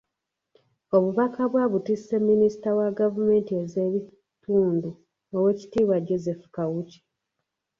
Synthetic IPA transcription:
o̞βuβakaβwaβutisːe̞mːinisi̥tawaɡavume̞ːntieze̞βi | tuːndu | owe̞ːci̥tiːβwaɟo̞ze̞fukawuci̥

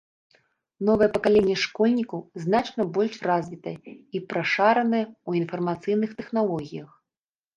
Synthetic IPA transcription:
nɔvɐjɛpɐkalʲenʲːɛʂkɔlʲnʲikɐwznat͡ʂnɐbɔlʲʂrazʲvʲit̪ɐjɛipɾaʂaɾɐnɨjɛuinfɐrmat̪sɨjnɨxt̪ɛxnalˠɔɣʲijɐx

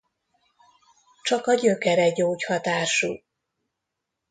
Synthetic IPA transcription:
t͡ʃɒkɒɟøkɛɾɛɟoːchɒt̪aːʃṵ

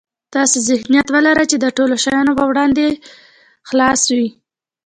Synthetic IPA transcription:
t̪ɑsezɪhnijat̪wəlaɾət͡ʃed̪əʈoloʃajɑnopəwɽɑnd̪e | xlɑswi

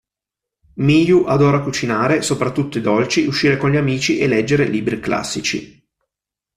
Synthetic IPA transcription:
mijuʔad̪ɔːɾakut͡ʃinaːɾesopɾat̪ːut̪ːoid̪ɔlt͡ʃiuʃːiːɾekonʎiamiːt͡ʃiʔelɛd͡ʒːeɾeliːbɾikla̰sːit͡ʃḭ

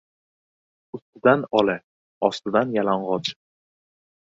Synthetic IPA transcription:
ʊst̪ɪd̪anɒlɪ | ɒst̪ɪd̪anjalaɴʁɒt͡ʃ

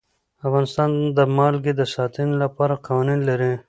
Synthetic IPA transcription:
afɣɑːnɪst̪ɑnd̪əmɑlɡed̪əsɑt̪inlapɑːɾaqawaninlaɾi

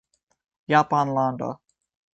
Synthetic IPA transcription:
jɑpɑnlɑnd̪o̰

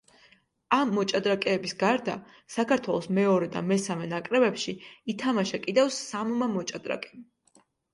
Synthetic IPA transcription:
amːɔt͡ʃʼad̪ɾakʼɛːbisɡaɾd̪a | sakʰaɾt̪ʰwɛlˠɔsmɛɔɾɛd̪a̰mɛsamɛnakʼɾɛbɛpʃiit̪ʰamaʃakʼid̪ɛvsammamɔt͡ʃʼad̪ɾa̰kʼɛm

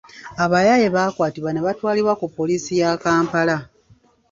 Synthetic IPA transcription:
aβajaje̞βaːkwaːtiβwaneβatwaːliɾwakupːo̞liːsijakaːmpala

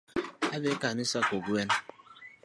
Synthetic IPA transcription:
abekanisakoɡuen

